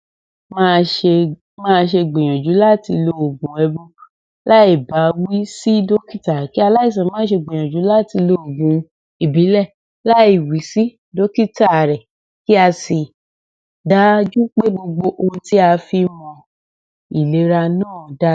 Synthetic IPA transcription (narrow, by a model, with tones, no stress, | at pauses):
mã˦˧ʃe˧ | mãː˦˧ʃ̬e˧ɡ͡bẽ˨j̃ɔ̃˨d͡ʒu˨˦la˦ti˧lo˧o˨ɡũ˨˦ɛ˧bo˦ | la˦i˦˨ba˨˦wi˦si˦do˦ki˦ta˨ki˦a˧la˦i˦˨s̬ã˨˦mãː˦ʃe˧ɡ͡bĩ˨j̃ɔ̃˨d͡ʒu˨˦la˦˨ti˧lo˧o˨ɡũ˨˦ | i˨bi˨˦lɛ˦˨ | la˦i˦˨wi˨˦si˦ | do˦ki˦ta˦˨ɾɛ˨ | ki˦a˧si˨ | da˨˦d͡ʒu˦k͡pe˦ɡ͡bo˧ɡ͡bo˧ʔo˧hũ˧ti˦a˧fi˧mɔ̃˧ | i˨le˨˦ɾa˧nãː˦˨da˦